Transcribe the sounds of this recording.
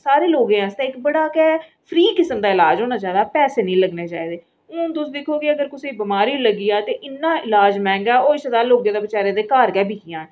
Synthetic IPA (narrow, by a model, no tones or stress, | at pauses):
saːɾeːloːɡẽːəst̪eːɪkbəɽaːkɛːpʰɾiːkɪsəmd̪aːɪlaːd͡ʒɦoːnaːt͡ʃaːd̪aːpɛːseːnĩːləɡneːt͡ʃa̰ːiːd̪eː | ʊnt̪ʊsd̪eːkʰːoːkeəɡəɾkʊsebɪmaːɾiːləɡiːaːt̪eːʔɪnːãːɪlaːd͡ʒmɛ̃ːŋɡaːoːɪʃd̪aːloːɡẽːd̪eːbɪt͡ʃaːɾeːd̪eːkaːɾkɛːbʱiːkɪjãːɛ